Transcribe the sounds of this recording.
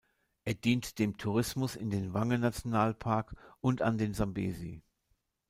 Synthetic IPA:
ʔeːɐdiːntd̥eːmtʰuʁ̞ɪsmʊsɪ̰ndeːnvaŋənat͡sjonaːlpʰaɐkʔʊnta̰ndeːnzambḛːzḭː

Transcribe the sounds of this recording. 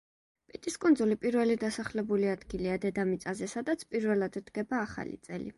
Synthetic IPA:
pʼit̪ʼiskʼund̪zulipʼiɾvɛlid̪asaχlɛbuliad̪ɡiliad̪ɛd̪amit̪sʼazɛsad̪at̪sʰpʼiɾvɛlˠad̪ɾd̪ɡɛbaːχa̰lḭt̪sʼɛ̰lḭ

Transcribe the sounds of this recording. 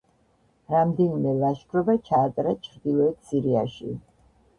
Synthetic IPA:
ɾamd̪ɛnimɛlˠaʃɡɾɔbat͡ʃʰaːt̪ʼɾat͡ʃʰɾd̪ilˠɔɛt̪siɾiaʃi

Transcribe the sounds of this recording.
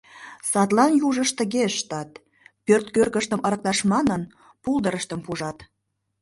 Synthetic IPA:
sɑt̪lɑnjuʒəʃt̪əɣeʃːt̪ɑt̪̚ | pørt̪̚kørkəʃt̪əmʔəɾə̆k̚t̪ɑʃmɑnən | pulˠd̪əɾəʃt̪əmpuʒɑt̪

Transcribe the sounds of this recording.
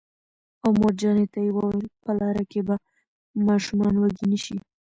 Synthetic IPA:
awmoɾd͡ʒɑnet̪ajwɑɾpəlɑɾakeba | mɑʃumɑnwaɡiniʃi

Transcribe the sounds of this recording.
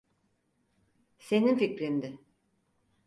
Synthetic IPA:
se̞ninficɾind̪ɪ

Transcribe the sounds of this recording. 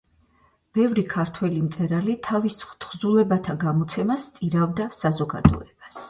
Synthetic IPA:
b̥ɛvɾikʰaɾt̪ʰwɛlimt̪sʼɛɾalit̪ʰavist̪ʰχzulˠɛbat̪ʰaɡamɔt̪sʰɛmast̪sʼiɾavd̪asazɔɡa̰d̪ɔ̰ɛb̥as

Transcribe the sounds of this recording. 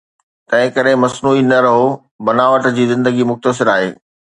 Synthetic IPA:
t̪ɐ̃ɦɪ̃kɐɾemɐsnuːinɐɾɐɦo | bɐnaːʋəʈd͡ʑiːzɪ̃nd̪əɡimʊxt̪əs̬ɪɾaːɦḛː

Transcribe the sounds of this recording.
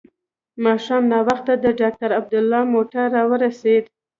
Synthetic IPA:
mɑʃɑmnɑwaxt̪ad̪əɖɑk̚t̪aɾab̚d̪ʊlːɑmoʈaɾːɑwəɾased̪

